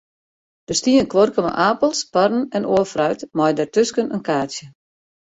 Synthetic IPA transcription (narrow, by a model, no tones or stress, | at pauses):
d̥əstiənkʋorkəmə̰ʔaːpəlˠsparn̩ɛnoəfrœɥtmɔjdɛrtøskənʔənkaːsjə